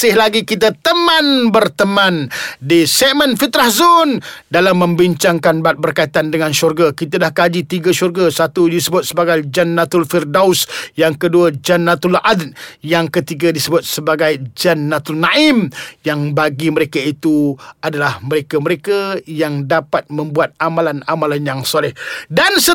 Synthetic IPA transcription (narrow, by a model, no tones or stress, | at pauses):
sɪhlaɡikit̪̬at̪əmãnbərt̪əmãndisɛʔ̚mə̃nfit̪ɾahzʊndalamːə̃mbiɲt͡ʃaŋkanbat̪̚bərkait̪andəŋãnʃɔrɡakit̪̬adahkad͡ʒit̪iɡaʃurɡasat̪udisəbʊt̪̚səbaɡajd͡ʒanːat̪ʊlfirdawsjaŋkəduəd͡ʒanːat̪ulʔad̪jaŋkət̪iɡadisəbʊt̪̚səbaɡajd͡ʒanːat̪ulnãʔɪmjaŋbaɡiməɾekait̪uadalahməɾekaməɾekajaŋdapat̪̚mə̃mbuat̪̚amalanamalanjaŋsolɪhdansə